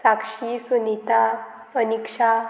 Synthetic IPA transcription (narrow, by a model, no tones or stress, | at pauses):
sakʂisunit̪a | ənikʂa